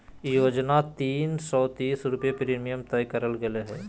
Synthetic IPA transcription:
joːd͡ʒnat̪iːnsɔːt̪iːsɾʊpjepɾiːmijəmt̪ɐjkəɾəlɡɐleɦɛː

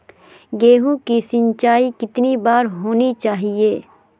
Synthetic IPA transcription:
ɡeːɦũkisɪ̃nt͡ʃaːikɪt̪nibaːɾɦoːnit͡ʃaːɦieː

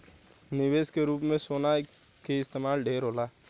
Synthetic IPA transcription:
nɪweːskeɾuːpmẽsoːna | keɪst̪eːmaːlɖʱeːɾɦoːlaː

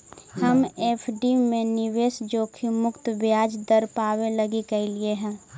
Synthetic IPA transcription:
həmeːpʰɖimẽnɪʋeːsd͡ʒoːkʰimʊkt̪bjaːd͡ʒd̪əɾpaːweləɡikəlieɦɛ̃ː

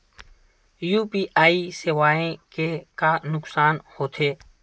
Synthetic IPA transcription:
juːpiːʔaːiːsɪʋaːẽːkeːkaːnʊksaːnhoːt̪ʰeː

